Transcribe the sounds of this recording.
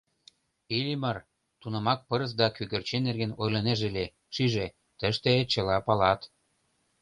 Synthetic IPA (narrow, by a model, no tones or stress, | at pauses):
ilʲimər | t̪unə̆mɑk̚pɤɾə̆s̬d̪ɑkyɣørt͡ɕenːerɣenojlɤ̆neʒele | ʃiʒe | t̪əʃt̪et͡ɕə̆lɑpɑlɑt̪